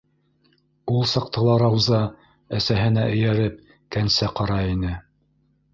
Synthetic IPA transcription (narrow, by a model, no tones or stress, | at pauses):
ulˠsɑq̚t̪ɤ̆lˠɑɾɑwzɑ | æsæɦɘ̆næʔɘ̆jæɾɘp̚ | kænsæqɑɾɑinɘ